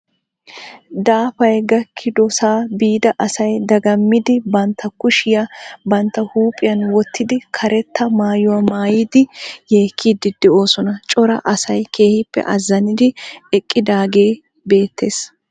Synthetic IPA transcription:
d̪aːfɐjɡɐkʰːɪd̪ɔsaːbiːd̪ɐʔɐsɐjd̪ɐɡɐmːɪd̪ɪbɐnt̪ʰːɐkʊʃɪjabɐnt̪ːɐhuːpʼːɪjɐnwɔt̪ʰːɪd̪ɪkʰɐɾɛt̪ʰːɐmaːjʊwamaːjɪd̪ɪje̞ːkʰːiːd̪ɪd̪̥ɛo̞ːsɔnɐt͡ʃʼɔɾɐ̰ʔɐsɐjkʰeːhɪpːɛ̰ʔɐzːɐnɪd̪ɪɛkʼːɪd̪aːɡe̞ː | be̞ːt̪ːe̞ːs

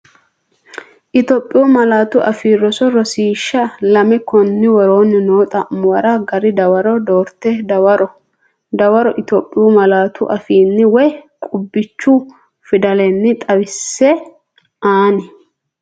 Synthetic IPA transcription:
ʔɪt̪ɔːpʼːɪjumɐlaːt̪ʊʔɐfiːrːɔsɔɾɔsiːʃːɐlɐmɛkɔnːɪwɔɾo̞ːnːɪnoːt̪ʼɐmʊwɐɾɐɡɐɾɪd̪ɐwɐɾɔd̪oːɾt̪ːɛd̪ɐwɐɾɔ | d̪ɐwɐɾɔʔɪt̪oːpʼːɪjumɐlaːt̪ʰʊʔɐfiːnːɪwɔjkʼʊbːɪt͡ʃːʊ | fɪd̪ɐlɛnːɪt̪ʼɐwɪsːɛ | aːnɛ

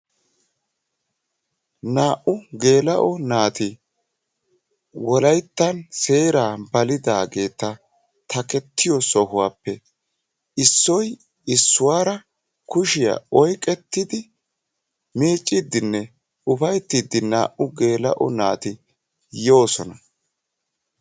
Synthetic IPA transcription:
naːʔʊɡe̞ːlɐʔɔnaːt̪ɪ | wɔlɐjt̪ːɐnse̞ːɾaːbɐlɪd̪aːɡe̞ːt̪ːɐ | t̪ʰɐkɛt̪ːɪjɔsɔhʊwaːpːɛ | ɪsːɔj | ɪsːʊwaːɾɐ | kʊʃɪja̰ɔjkʼɛt̪ːɪd̪ɪ | miːt͡ʃʼːɪd̪ɪnːɛ | ʊfɐjt̪ːid̪ːɪna̰ːʔʊɡe̞ːlɐ̰ʔɔ̰naːt̪ɪ | jo̞ːsɔnɐ

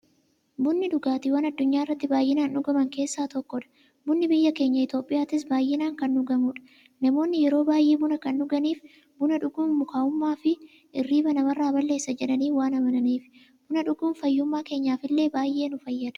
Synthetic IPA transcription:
bʊnːɪᶑʊɡaːt̪ɪwɐnɐd̪ːʊɲːaːɪrːɐt̪ːɪbaːjːɪnaːnʊɡɐmɐŋke̞ːsːaːt̪ɔkːɔᶑɐ̥ | bʊnːɪbɪjːɐke̞ːɲːɐɪt̪o̞ːpʼːɪjaːt̪ɪs̬baːjːɪnaːŋkɐnːʊɡɐmʊᶑɐ̥ | nɐmo̞ːnːɪjɛɾo̞ːbaːjʔeːbʊnɐkɐnːʊɡɐniːf | bʊnɐᶑʊɡuːnmʊkaːʊmːaːfɪ | ʔɪrːiːbɐnɐmɐrːaːbɐlːe̞ːsːɐd͡ʒɛᶑɐniːfwaːnɐmɐnɐniːf | b̥ʊnɐᶑʊɡuːnfɐjːʊmːaːke̞ːɲːaːfɪlːe̞ːbaːjʔe̞ːnʊfɐjːɐᶑ̪ɐ̥

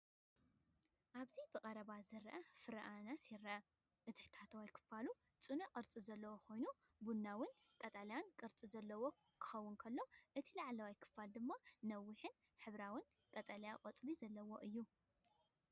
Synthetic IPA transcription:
ʔaβzibɨqʼɐɾɐβazɨɾʔɐfɨɾʔanasiɾɐ | ʔɨt̪ʰɨħt̪ʰat̪ʰɐwajkʰɨ̥falu | t͡sʼɨnɐqʼɨɾt͡sʼizɐlːɐwoxʰo̞jnu | bunːawɨn | kʼɐt̪ʼaljankʼɨɾt͡sʼizɐlːɐwo̞ | kʰɨ̥xɐwːʊnkʰɐlːo̞ʔɨt̪ʰilaʕlawajkʰɨ̥fald̪ɨmːanɐwːɨħɨn | ħɨβɾawɨn | kʼɐt̪ʼaljaqʼɐt͡sʼlizɐlːɐwo̞̰ʔɨjːu

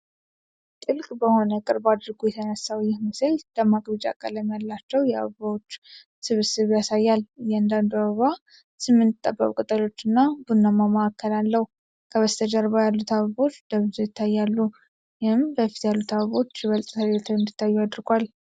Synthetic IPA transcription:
t̪ʼɨlkʼbəho̞nəkʼɨɾbad̪ɾɡujɛt̪ʰənəsawjɪhməsəlləmakʼbid͡ʒa̰kʼə̰ləmjalːat͡ʃːɛwjɛa̰βəβawo̞t͡ʃː | sɨβɨsɨβjasajːaljɛand̪and̪uaβəβa | sɨmːɨnːɨt̪ʼːə̰bːəkʼkʼɨt̪ʼəlo̞t͡ʃːɨnːabunːəmaməakːəlalːəhu | kʰəβəst̪ʰəd͡ʒaɾβajalːut̪ʰaβəβo̞t͡ʃːd̪̥əβzojɪt̪ʰːajːalːu | jɪhɨmbəfi̥t̪jalːut̪ʰaβəβo̞t͡ʃːjɛβəlt̪ʼt̪ʰəlet̪ʰwɨnd̪it̪ʰːajːuad̪ɾɡʷal

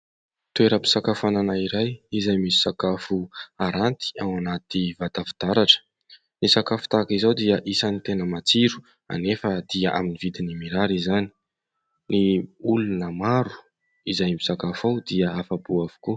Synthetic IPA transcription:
t̪ueɾəpi̥sakafananaiɾajizajmisi̥sakafuaɾant̪i̥ananat̪ivat̪afi̥t̪aɾaʈ͡ʂə̥ | nisakafu̥t̪akizowd̪iəʔisanit̪enəmat͡siɾu̥ | a̰nefəd̪̥iəʔa̰minivid̪inimiɾaɾizani̥ | niulunəmaɾu̥ | izajmisakafawd̪iəafabuavu̥ku

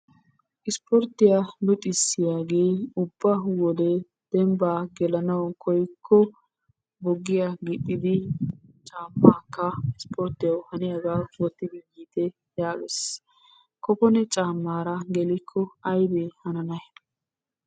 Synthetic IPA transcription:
ʔɪspɔɾt̪ːɪjab̪ʊt̪ʼːɪsːɪjaːɡe̞ːʊbːɐwɔd̪ɛ | d̪̥ɛmbaːɡɛlɐnɐwkʰɔjkʰːɔ | bɔɡːɪjaɡɪtʼːɪd̪ɪt͡ʃʼaːmːaːkːɐɪspʰɔɾt̪ɪjɐwhɐnɪjaɡaːwɔt̪ːɪbiɡiːt̪ɛ | jaːɡɛs | kɔpɔnɛt͡ʃʼaːmːaːɾɐɡɛlɪkʰːɔɐjd̪ehɐnɐnɐj

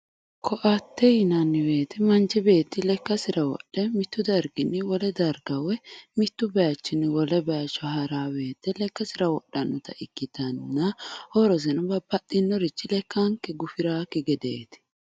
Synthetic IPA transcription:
kʰɔʔɐt̪ːɛjɪnɐnːɪwe̞ːt̪ɪmɐnt͡ʃɪbe̞ːt̪ːɪlɛkːɐsɪɾɐwɔ̰ɗːɛmɪt̪ːʊd̪ɐɾɡɪnːɪwɔlɛd̪ɐɾɡɐwɛmɪt̪ːʊbɛjɐt͡ʃːɪnɪwɔlɛbɛjɐt͡ʃːɔhɐɾaːbe̞ːt̪ːɛlɛkːɐsɪɾɐwɔɗːɐnːɔt̪ɐʔɪkːɪt̪ɐnːɐhɔɾɔsɛnɐbɐbɐɗɪnːɔɾɪt͡ʃːɪlɛkːɐŋkɛɡʊfɪɾaːkɪɡɛd̪eːt̪ɪ̥

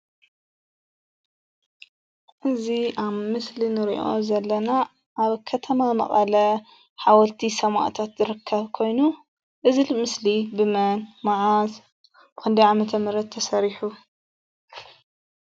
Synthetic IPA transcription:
ʔɨziaβmɨslinɨɾḭʔo̞̰zɐlːɐna | ʔaβkʰɐt̪ʰɐmamɐ̰χʼɐlɐ | ħawɐlt̪ʰisɐma̰ʔt̪ʰat̪zɨɾɨkʰːɐβkʰo̞jnu | ʔɨzɨlmɨslibɨmɐnmaʕaz | b̥ɨkʰɨnd̪iʕamɐt̪ʰɐmɨɾɐt̪ʰːɐsɐɾiħu

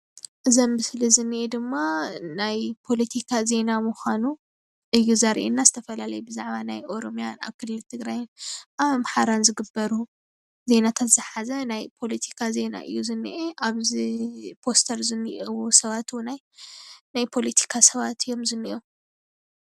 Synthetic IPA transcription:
ʔɨzombɨslizɨnːiʔed̪ɨmːanajpʰo̞lɐt̪ʰikʰaze̞namuxanu | ʔɨjːuzɐɾʔḛnːazɨt̪ʰɐfɐlalɐjubɨzaʕβanajʔo̞ɾo̞mjana̰βkʰɨlːɨlt̪ʰɨɡɾajnamħaɾanzɨɡɨbːɐɾu | ze̞nat̪ʰat̪z̥ɨħazɐnajpʰo̞lɐt̪ʰi̥kʰaze̞na̰ʔɨ̰jːuzɨnːiʔeʔaβzpʰo̞st̪ʰɐɾzɨnːɨʔwusɐβat̪ʰwnaj | najpʰo̞lɐt̪ʰi̥kʰasɐβat̪ʰɨjːo̞mzɨnːḭʔo

